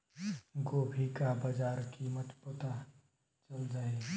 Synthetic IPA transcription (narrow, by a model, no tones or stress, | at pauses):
ɡoːbʱikabɐd͡ʒaːɾkiːmət̪pət̪a | t͡ʃɐld͡ʒaːe